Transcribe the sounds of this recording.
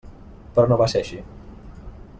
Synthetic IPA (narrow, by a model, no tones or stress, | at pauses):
pɾɔnoβaseaʃi